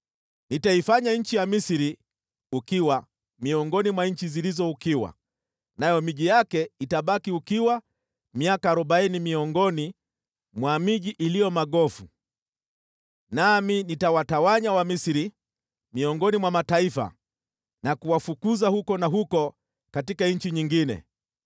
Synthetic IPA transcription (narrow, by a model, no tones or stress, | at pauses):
nitaifaɲaɲ̩t͡ʃijamisiɾi | ukiwa | miɔŋɡɔnimwaɲ̩t͡ʃizilizɔukiwa̰ | najɔmiʄijakɛitaɓakiukiwa | miakaːɾuɓainimiɔŋɡɔni | mwamiʄiʔilijɔmaɠɔfu | naminitawatawaɲawamisiɾi | miɔŋɡɔnimwamataifa̰ | nakuwafukuzahukɔnaɦukɔ | katikaɲ̩t͡ʃiɲiŋɡinɛ̰